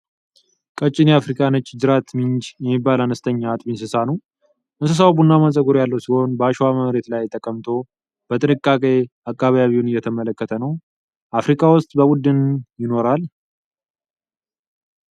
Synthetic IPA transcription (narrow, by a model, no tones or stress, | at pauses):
kʼət͡ʃʼːɪneafɾikʼanət͡ʃːd͡ʒɨɾat̪mɨnd͡ʒjɛmːibːalanəst̪ʰəɲːaːt̪ʼminsɨsanəw | ʔɨnsɨs̬awbunːaməsʼəɡuɾjalːəwsiho̞nbəaʃwaməmɾe̞t̪lajt̪ʼːəkʼːəmt̪ʰo̞ | b̥ət̪ʼɨnɨkʼːakʼe̞ | akʼːaβjaβiwunɨjːɛt̪ʰəmələkːət̪ʰənəw | ʔafɾikʼawʊst̪ʼbəbud̪ːɨnjɪno̞ɾal